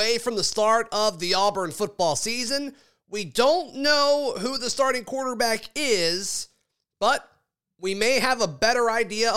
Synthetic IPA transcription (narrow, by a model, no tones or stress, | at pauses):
eɪfɹʌ̃mðəstɑɹɾʌvðiɑbə̃˞nfʊt̚b̥ɔlˠsizɨ̃n | widõʊ̃nːoʊɦuðəstɑɹɾɪ̃ŋkʰw̥ɔɹɾə˞bækɪz̥ | b̥ʌt̚ | wimeɪɨvəbɛɾə˞aɪdiɨ